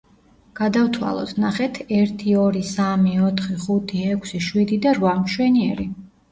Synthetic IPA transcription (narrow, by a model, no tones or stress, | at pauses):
ɡ̥ad̪avt̪ʰwa̰lˠɔ̰t̪ʰnaχɛt̪ʰɛɾt̪ʰiɔɾisamiɔt̪ʰχiχut̪ʰiɛkʷʰsiʃwid̪id̪aɾvamʃwɛniɛɾi